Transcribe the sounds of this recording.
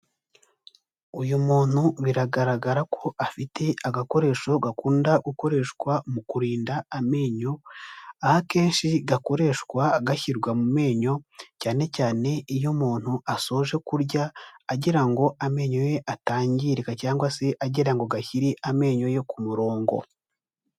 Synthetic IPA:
ujumuːn̥huβiɾaɡaɾaɡaɾakʰo̞ʔafitʰe̞aɡako̞ɾe̞ːʃo̞ɡakuːndaɡuko̞ɾe̞ːʃkwamukuɾiːndaːme̞ːɲo̞ahake̞ːnʃiɡako̞ɾe̞ːʃkwaɡaçiɾɡwamume̞ːɲo̞caːne̞caːne̞ijo̞muːn̥huʔaso̞ʒe̞kuɾɟaːɟiɾaŋɡo̞ʔame̞ːɲo̞je̞ʔataːɲɟiɾekacaːŋɡwase̞ʔaɟiɾaŋɡo̞ɡaçiɾiʔame̞ːɲo̞je̞kumuɾo̞ːŋɡo̞̰

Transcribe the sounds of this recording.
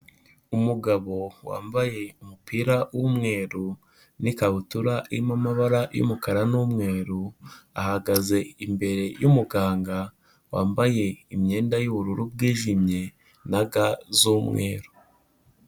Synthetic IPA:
umuɡaβo̞wa̰ːmbaje̞umupʰiːɾawumŋe̞ːɾu | nikaβutuɾaʔiimamaβaɾajṵmukaɾanumŋe̞ːɾua̰haɡaze̞imbe̞ɾe̞jumuɡaːŋɡa | wa̰ːmbaje̞imɲe̞ːndajuβuɾuɾub̚ɡiːʒimɲe̞ | naɡazuːmŋḛːɾu

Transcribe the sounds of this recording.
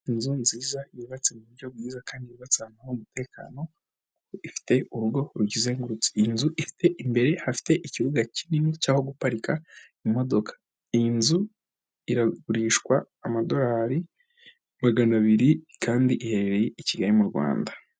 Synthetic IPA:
inzunziːzaiβuβat͡semuβuɾɟo̞bɡiːzakaːndiβuβat͡seanahomute̞ːka̰ːno̞ | kukoʔifi̥te̞uɾuɡo̞ɾuɟize̞ːŋɡuɾut͡si̥inzuʔifi̥tʰe̞ʔimbe̞ɾe̞hafi̥te̞ʔiciβuɡacininicaːho̞ɡupaɾika | imo̞do̞kʰḁ | inzu | iɾaɡuɾiːʃkwaːmado̞ɾaːɾi | maɡanaβiɾikaːndiʔihe̞ɾeɾejeiciɡaɾimuɾɡwa̰ːnda

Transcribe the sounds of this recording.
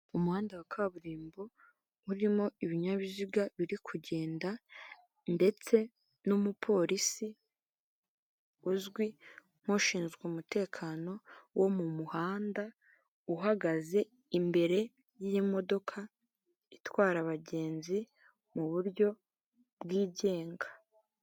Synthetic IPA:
umuhaːndawakʰaβuɾiːmbo̞ | uɾimo̞iβiɲaβiziɡaβiɾikʰuɟe̞ːnda | nde̞t͡se̞ | numupʰo̞ːɾisi | uzɡwi | n̥oʃiːnzɡwumute̞ːkʰaːno̞womumuhaːnda | uɦaɡaze̞ | imbe̞ɾe̞ | jijimo̞do̞kʰa | itwaːɾaβaɟe̞ːnzi | muβuɾɟo̞ | bɡiːɟe̞ːŋɡḁ

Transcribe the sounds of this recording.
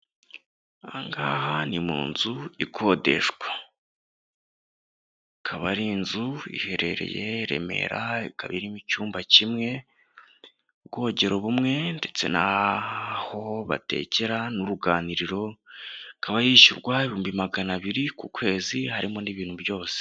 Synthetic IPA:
aŋɡahanimṵːnzuikʰo̞de̞̰ʃɡwa | kʰaβaɾinzuḭhe̞ɾe̞ɾḛje̞iɾe̞̰me̞̰ɾaika̰βiɾimicuːmbacimŋe̞ | bɡo̞ɟe̞ɾo̞βumŋe̞nde̞t͡se̞̰na | ho̞βa̰te̞̰ceɾanuɾuɡaːniɾiɾo̞ | kʰaβajiːʃuɾɡwaeβihuːmbimaɡanaβiɾikukwe̞ːzihaɾimo̞niβiːn̥hubjo̞ːse̥

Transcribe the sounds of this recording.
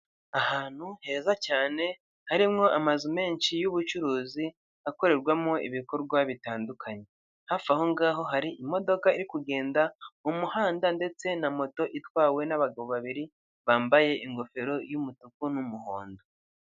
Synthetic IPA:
ahaːn̥huhe̞ːzacaːne̞ | haɾimŋo̞ʔamazume̞ːɲʃijuβut͡ʃuɾuːzi | ako̞ɾe̞ɾɡwamŋo̞ʔḭβiko̞ɾɡwaβitaːndukʰaɲe̞ | hafahoŋɡaːɦo̞ɦaɾiʔimo̞do̞kaiɾikuɡe̞ːndaumuhaːndande̞t͡se̞namo̞to̞ʔitwaːwe̞naβaɡaβo̞βaβiɾi | βaːmbaje̞ʔiŋɡo̞fe̞ɾo̞jumutukunumuho̰ːndo

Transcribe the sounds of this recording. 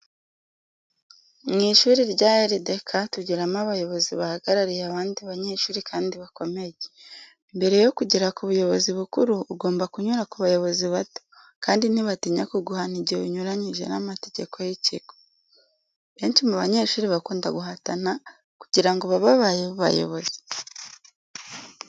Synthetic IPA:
ŋiʃuːɾiɾɟaːjeɾide̞kʰatuɟiɾamaβajo̞βo̞ziβahaɡaɾaɾijaβaːndiβaɲe̞ːʃuːɾikʰaːndiβako̞me̞je | imbe̞ɾe̞jo̞kuɟiɾakuβujo̞βo̞ziβukuɾuːɡo̞ːmbakuɲuɾakuβajo̞βo̞ziβato̥ | kaːndiniβatiɲakuɡuhaniɟeuɲuɾaɲiʒe̞̰namate̞ɟe̞ko̞jiciko̥ | βe̞ːnʃimuβaɲe̞ʃuːɾiβakuːndaɡuɦatana | ku̥ɟiɾaŋɡoβaβaβajeββa̰jo̰βo̞ze̥

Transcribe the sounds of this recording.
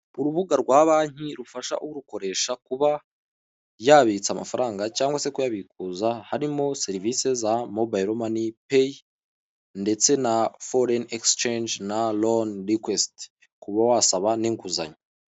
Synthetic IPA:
uɾuβuɡaɾɡwaːβaːɲ̥iɾufaʃa̰ʔuwuɾuko̞ɾe̞ːʃakuβa | jaβit͡sama̰faɾaːŋɡacaːŋɡwase̞kujaβikuzahaɾimo̞seɾivise̞zamo̞bajɾomanipe | nde̞t͡se̞nafo̞ɾenekst͡ʃend͡ʒnalonɾikwest | kuβawasaβaniŋkuza̰ɲo

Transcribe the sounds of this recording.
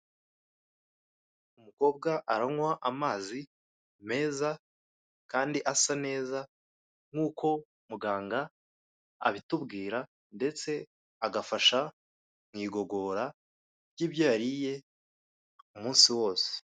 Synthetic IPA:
umuko̞ːb̚ɡaʔaɾaŋwaʔamaːzi | me̞ːza | kaːndiʔasane̞ːza | ŋ̥uːko̞ | muɡaːŋɡa | a̰βitubɡiːɾa | nde̞t͡se̞ | aɡafaʃa | ŋŋiːɡo̞ɡo̞ːɾa | jiːbjaaɾije̞ | umuːnsiwo̞ːse̥

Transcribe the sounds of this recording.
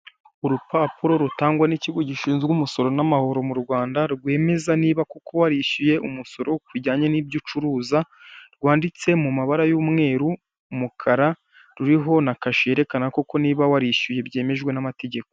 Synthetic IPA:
uɾupapuɾo̞ɾutaːŋɡwaniciɡo̞ɟiʃiːnzɡumuso̞ɾo̞namaho̞ɾo̞muɾɡwaːndaɾɡwe̞ːme̞zaniːβakukʰo̞waɾiʃuje̞ʔumuso̞ɾo̞kiɟaːɲeniːbɟut͡ʃuɾuːza | ɾɡwaːndit͡se̞mumaβaɾajuːmŋe̞ːɾuː | mukʰaɾa | ɾuɾiɦo̞nakaʃije̞ɾe̞kanakoko̞niːβawaɾiʃuje̞bje̞ːme̞ʒɡwe̞namate̞ɟe̞ko

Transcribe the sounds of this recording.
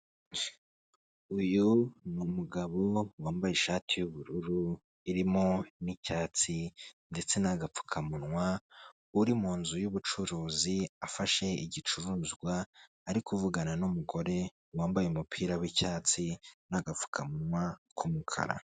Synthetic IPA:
ujunumuɡaβo̞waːmbaje̞ʃaːtʰijuβuɾuɾu | iɾimo̞nicaːt͡sinde̞t͡se̞naɡap͡fu̥kʰamunwa | uɾimuːnzujuβut͡ʃuɾuːziafaʃe̞iɟit͡ʃuɾuːzɡwaː | ɾikuvuɡananumuɡo̞ɾe̞ | waːmbajeumupʰiːɾawicaːt͡sinaɡap͡fu̥kʰamunwakʰumukʰa̰ɾa̰

